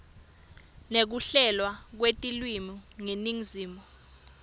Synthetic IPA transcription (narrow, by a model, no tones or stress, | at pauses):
nek̬uɬɛlwak̬wetʼilwimuŋeniŋziːmɔ